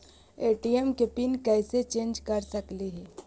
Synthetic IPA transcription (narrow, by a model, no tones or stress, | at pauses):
eːʈiɛmkepinkɛːset͡ʃẽːnd͡ʒkɐɾsɐkliɦɛ